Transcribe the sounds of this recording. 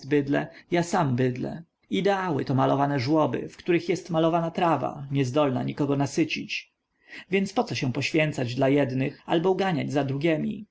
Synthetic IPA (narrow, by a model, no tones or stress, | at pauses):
bɘd̪lɛ̰jasambɘd̪lɛ̰ | id̪ɛawɘ̰t̪ɔmalɔvanɛʐwɔbɘ̰fkt̪uɾɘxjɛst̪malɔvanat̪ɾava̰ɲɛzd̪ɔlna̰ɲikɔɡɔnasɘt͡ɕit͡ɕ | vʲjɛnt̪spɔt̪sɔɕɛ̃pɔɕfʲjɛnt̪sad͡ʑd̪lajɛd̪nɘxalbɔuɡaɲad͡ʑzad̪ɾuɡʲjɛmʲḭ